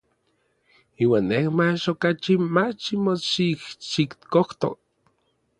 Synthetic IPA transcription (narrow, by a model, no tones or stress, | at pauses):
iːwaːnːehmat͡ʃokat͡ʃimat͡ʃimot͡ʃihʃikt̪koht̪o̰k̚